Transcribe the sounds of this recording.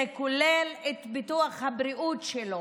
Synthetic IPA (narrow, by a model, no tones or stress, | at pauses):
ekulelet̪bit̪uaχhabɾiʔutʃelo